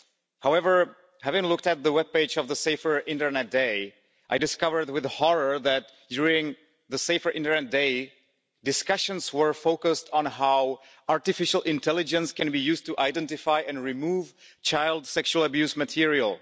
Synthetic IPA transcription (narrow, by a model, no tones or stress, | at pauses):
haʊɛvə˞ | hævɪ̃ŋlʊk̚tɨt̪̚ðəwɛb̚peɪd͡ʒʌvðəseɪfə˞ɪ̃ntə˞nɛt̚d̥eɪ | ʔaɪdɨskʌvə˞d̚wɪðhɔɹə˞ðæt̚d̥jʊɹɪ̃ŋ | ðəseɪfə˞ʔɪ̃ntə˞nɛt̚d̥eɪ | dɨskʌʃɨ̃nzwə˞foʊkɨstn̩aʊ | aɹtɨfɪʃl̩ˠʔɪ̃ntʰɛlˠɨd͡ʒɨ̃nskɨ̃nbijʉztʰuʔaɪdɛ̃ntɨfaɪʔɨ̃nɹimuv | t͡ʃʰaɪlˠdsɛkʃuəlˠəbjʉsmɨtʰɪɹiəl̩ˠ